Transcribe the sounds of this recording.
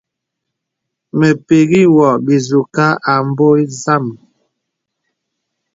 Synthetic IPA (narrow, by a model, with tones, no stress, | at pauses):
me˨pe˨ɣi˦wɔ˨bi˨zu˨ka˦ʔa˨m̩˦bo˦i˦za˦˨m